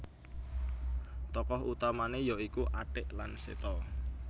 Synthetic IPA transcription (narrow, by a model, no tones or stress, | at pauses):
t̪ɔkɔɦut̪amanejɔikuʔaɖ̥ɪʔlansḛt̪ɔ